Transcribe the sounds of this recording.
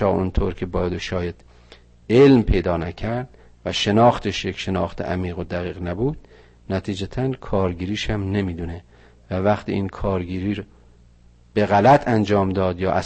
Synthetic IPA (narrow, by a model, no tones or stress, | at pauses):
ɒːont̪ʰoːɾkʰebɒːjæd̪oʃɒːjæd̪̥ | elmpʰe̞jd̪ɒːnæcʰæɾd̪̥̚ | væʃe̞nɒːxt̪ʰeʃjecʲʃenɒːxt̪ʰeʔæmiːɣod̪æɣiːɣnæbuːd̪̥ | næt̪ʰiːd͡ʒæt̪ʰænkʰɒːɾɡiːɾiːʃhæmnemiːd̪une | vævæχt̪ʰḭiːnkʰɒːɾɡiːɾiːɾ | b̥e̞ɣælæt̪ʰænd͡ʒɒːmd̪ɒːd̪jɒːʔæ